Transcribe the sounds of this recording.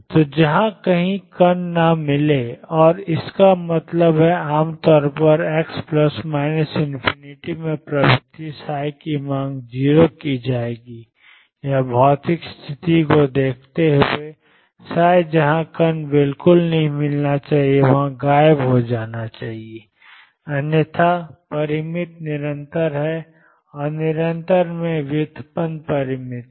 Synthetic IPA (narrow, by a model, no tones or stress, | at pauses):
t̪od͡ʒɐɦãkɐɦĩkɐnːamɪleɔːɾɪskamɐt̪ləbɦɛaːmt̪ɔːɾpɐɾɛːkspləsmaːɪnəsɪ̃npʰɪnɪʈimẽpɾɐbɪt̪isaːjkimãːŋɡd͡ʒiːɾokid͡ʒaːeːɡi | jɐbʱɔːt̪ɪkst̪ʰɪt̪ikod̪eːkʰt̪eɦʊe | saːjd͡ʒɐɦãkɐnbɪlkʊlnɐɦĩmɪlnat͡ʃaːɦieʋɐɦãɡaːjəbɦod͡ʒaːnat͡ʃaːɦie | ɐnjət̪ʰapɐɾɪmɪt̪nɪɾə̃nt̪əɾɦɛ | ɔːɾnɪɾə̃nt̪əɾmẽʋjʊd̪ʱpənpɐɾɪmɪt̪